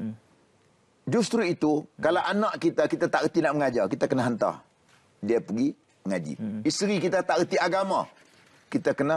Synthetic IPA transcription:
d͡ʒust̪ɾuit̪ukalawʔanaʔkit̪akit̪at̪aʔɣət̪inaʔməŋad͡ʒakit̪akənaɦənt̪a̰h | diapəɡi | məŋad͡ʒḭist̪ɾikit̪at̪aʔɣət̪iaɡama̰ | kit̪akəna

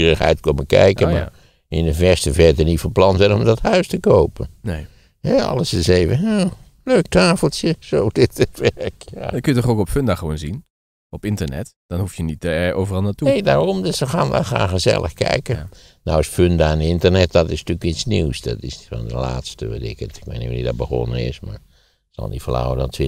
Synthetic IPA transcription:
rəxhɛ̰jtkoməkɛ̰jkənma̰ | ɪnəvɛstəvɛrtənifəlˠplɑnzɛnɔmdɔthœɥstəkoːpən | hɛɑ̰lˠəsɪseːvənoː | løːk̚taːfəl̩ˠsjəsodɪtətʋɛrkja̰køjətɔχowkɔpføndaχəʋoːnzin | ɔpɪntənɛ̰td̥ɔnhuftjənitəɛoːvərɑlˠnatuejdaːɹɔmdøssəxaːnʋɛ̰lˠxra̰ːxəzɛ̰lˠʔə̰xkɛ̰jkə | nawəsføndaɛnɪntərnɛt̚dɔtɪsntykitsniwsdɔtɪsfɔndə̰laːtstəʋɛ̰dɪ̰kətɪkʋḛnḭnidɔt̚bəxɔ̰nənɪ̰sma̰ɹ | sɔ̰lˠdifəla̰wədɔntʰʋɪ

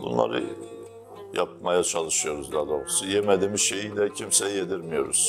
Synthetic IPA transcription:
bṵnlˠa̰ɾɯ̰ | ja̰p̚majat͡ʃʰalˠɯʃɯjo̞ɾuzd̪ad̪o̞sujemed̪iːmizʃe̞jid̪ɛcʰimsejjed̪iɾmijo̞ɾṵz̥

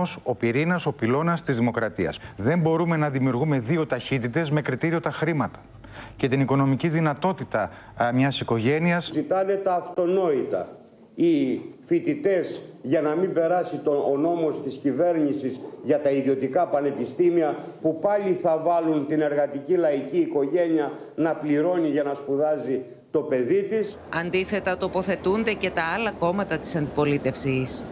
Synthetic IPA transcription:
oso̞piɾinɐso̞pilo̞nɐst̪izðimo̞kɾɐt̪iɐ̰sðe̞mbo̞ɾume̞nɐðimiuɾɣume̞ðio̞t̪ɐçit̪it̪e̞zme̞kɾit̪iɾio̞t̪ɐxɾimɐt̪ɐ̥ | ce̞t̪iniko̞no̞miciðinɐt̪o̞t̪it̪ɐ | mɲɐsiko̞ʝe̞niɐszit̪ɐne̞t̪ɐːft̪o̞no̞it̪ɐ̰ | ifit̪it̪e̞zʝɐnɐmimbe̞ɾɐsit̪oːno̞mo̞st̪iscive̞ɾnisizʝɐt̪ɐiðio̞t̪ikɐpɐne̞pist̪imiɐ | pupɐliθɐvɐlunt̪ine̞ɾɣɐt̪icilɐiciːko̞ʝe̞niɐ | nɐpliɾo̞niʝɐnɐspuðɐzi | t̪o̞pe̞ðit̪is | ɐnd̪iθe̞t̪ɐt̪o̞po̞θe̞t̪und̪e̞ce̞t̪ɐɐlɐko̞mɐt̪ɐt̪i̥sɐnd̪ipo̞lit̪e̞fsis

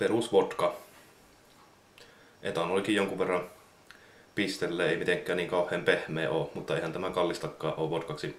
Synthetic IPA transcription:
perusʋot̪kɑ | ʔet̪ɑnoˑlʲikijjoŋkuʋʋerːɑm | pist̪elːeːeˑimit̪eŋkːˑæːnniːŋkɑˑuhˑeːmpehmˑeːʔoːmut̪ːɑeˑihænt̪æmækɑlːist̪ɑkːɑːʔʔoːʋʋot̪kɑksi

